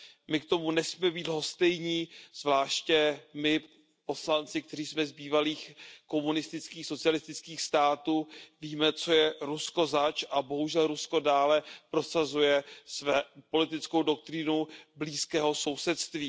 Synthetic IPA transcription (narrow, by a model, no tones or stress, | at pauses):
mɪkt̪o̞munɛsmiːmɛbiːd̪ɦo̞st̪ɛjɲiːz̥vlaːʃcɛmɪ | po̞slant͡sɪkt̪ɛriːsmɛzbiːvaliːxko̞munɪst̪ɪt͡skiːxso̞t͡sɪjalɪst̪ɪt͡skiːxst̪aːt̪uːviːmɛt͡so̞jɛɾusko̞zat͡ʃʔabo̞ɦuʒɛlɾusko̞daːlɛpɾo̞sazujɛsvɛːpo̞lɪt̪ɪt͡skowdo̞k̚t̪ɾɪnubliːskɛːɦo̞so̞wsɛt̪st̪viː